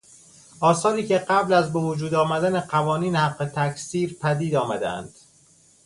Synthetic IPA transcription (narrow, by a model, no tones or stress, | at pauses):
ʔɒːsɒːɾiːceɢæblæzbe̞vod͡ʒuːd̪ɒːmæd̪æneɢævɒːniːnhæqːe̞t̪ʰæksiːɾpʰæd̪iːd̪ɒːmæd̪ḛæ̰nd̪̥